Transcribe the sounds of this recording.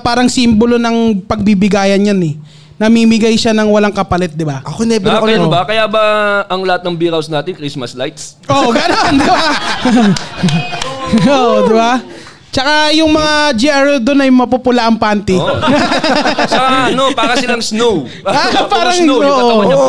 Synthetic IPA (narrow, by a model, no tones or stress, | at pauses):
paːɾɐŋsimbolonɐŋpɐɡ̚bibɪɡaːjɐnjanɛ | nɐmimɪɡajʃanɐŋwɐlaŋkɐpɐlɛt̪̚d̪ɪbaʔɐkonɛbɪnɐobɐkɐjaːbɐɐŋlɐhat̪̚nɐŋbiɾawsnaːt̪ɪnkɾismɐslajt̪s | ʔoɡɐnond̪ɪba | ʔoʔd̪ɪba | t͡ʃɐkajʊŋmɐŋad͡ʒiʔaɹd̪onɐjmɐpupʊlaʔɐŋpaːnt̪ɪ | t͡ʃɐkaʔɐnopaɾɐsɪlɐŋsnow | paːɾɐŋoːʔo